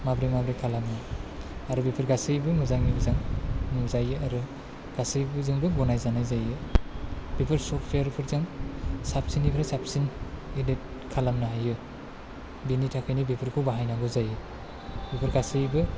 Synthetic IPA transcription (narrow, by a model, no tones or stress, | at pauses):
mabɾimabɾikʰalamnɯaɾɯbepʰɯɾɡasɯjbɯmɯzaŋibɯzaŋnɯŋzajɯaɾɯ | ɡ̥asɯjbɯzɯŋbɯbɔnajzanajzajɯ | b̥ipʰɯɾsɔpʰeaɾpʰɯɾzaŋsap̚sinipʰɾasap̚sinilet̚ | kʰalamnaajɯ | binitʰakʰajnibepʰɯɾkʰuwbaɦajnaɡɔzajɯ | bipʰɯɾɡasɯjbɯ